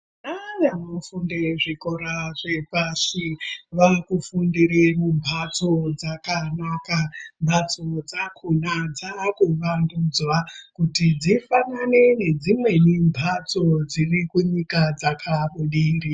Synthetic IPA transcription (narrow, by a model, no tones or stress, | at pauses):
ajanofundeʐikoɾaʐepasiʋakufundiɾemumbʱat͡sod͡zakanakambʱat͡sod͡zakʰunad͡zakuʋandud͡zwakutid͡zifanane̞ne̞d͡zimwe̞nimbʱat͡so̞d͡zirikuɲikad͡zakʰaɓuɗiːri